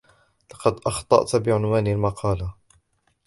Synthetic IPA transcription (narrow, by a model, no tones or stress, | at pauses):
lɑqɑd̪ʔɑxt̪ˤɑ̰ʔt̪bɪʕʊnwaːnalmɑqʰɑːla